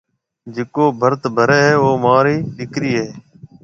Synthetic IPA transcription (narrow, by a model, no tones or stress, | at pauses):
d͡ʒɪkoːbʱəɾt̪bʱəɾeːɦeːoːmaːɾiːɗɪkɾiːɦeː